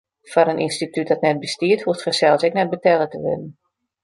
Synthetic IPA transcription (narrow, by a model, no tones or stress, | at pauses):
fɔɾənʔḭnstityt̚dɔtnɛt̚bəstiəthuətfəsɛlˠsɛknɛt̚bətɛlətəʋɪ̰nən̩